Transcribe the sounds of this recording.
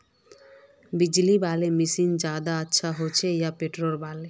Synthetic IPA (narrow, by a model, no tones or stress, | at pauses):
bid͡ʒlibalemisind͡ʒad̪aətːʃʰaɦot͡ʃʰejapeʈɾolbale